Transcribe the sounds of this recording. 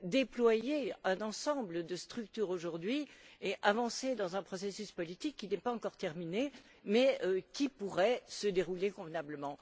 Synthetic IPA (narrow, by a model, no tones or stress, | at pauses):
d̪eplwajeɛ̃nɑ̃sɑ̃bləd̪əst̪χykt̪yʁoʒuʁd̪ɥieʔavɑ̃sed̪ɑ̃zɛ̃pχɔsesyspɔlit̪ikːinɛpaɑ̃kɔʁt̪ɛʁmine | mɛøkʲipuʁɛsəd̪eʁulekɔ̃vnabləmɑ̃